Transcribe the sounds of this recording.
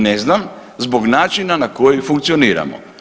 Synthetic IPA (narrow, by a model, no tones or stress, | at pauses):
neznam | zboɡnaːt͡ʃinanakojifuŋk̚t̪sioniːɾa̰mo̰